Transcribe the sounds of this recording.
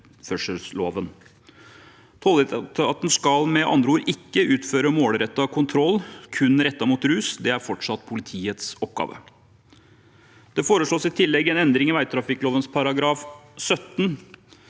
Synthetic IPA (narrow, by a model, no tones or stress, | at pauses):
fœʂəsloːʋən | t̪ʰɔlt̪t̪ɑt̪d̪nskɑlmɛʔɑ̰nd̪ɾəuːɾɪkːəʔʉːt̪føːɾəmoːləɾɛt̪ːɑkʰʊnt̪ʰɾɔlːkʰʉnːɾɛt̪ːɑmuːt̪ɾʉːsd̪ɛæɾfɔʈʂɑt̪ːpʰʊlɪt̪ʰiːət̪sɔp̚ɡɑ̰ːʋə̰ | d̪̥ɛfoːɾəʂɭoːsɪt̪ʰɪlːɛɡːɛnɛnd̪ɾɪŋɪʋæɪt̪ʰɾɑfɪkloːʋənspʰɑɾɑɡɾɑːfsœt̪ːn